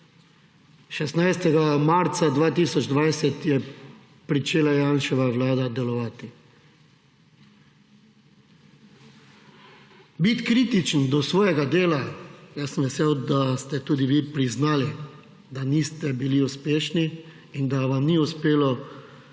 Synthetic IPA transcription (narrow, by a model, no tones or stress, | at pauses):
ʃɛsnajst̪ɛɡamaɾt̪sad̪ʋaːt̪iːsɔd͡ʒd̪ʋajsɛt̪jɛ | pɾit͡ʃeːlajaːnʃɛʋaʋlaːd̪ad̪ɛlɔʋaːt̪i | bit̪kɾiːt̪it͡ʃənd̪ɔsʋɔːjɛɡad̪eːlajasəmʋɛsewd̪ast̪ɛt̪uːd̪iʋiːpɾiznaːli | d̪aniːst̪ɛbiliuspeːʃniː | nd̪aʋamniuspeːlɔ